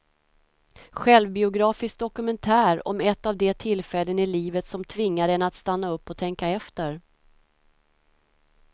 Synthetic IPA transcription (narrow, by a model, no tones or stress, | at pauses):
ɧɛlvbɪʊɡɾɑːfɪsk̚d̪ɔkɵmɛnt̪ʰæːɾɔ̰mɛt̪ːavd̪ɛt̪ʰɪlfɛlːənɪliːvət̪sɔmt̪ʰvɪŋːaɾɛnat̪st̪anːaɵpːɔt̪ʰɛŋkaɛft̪əɾ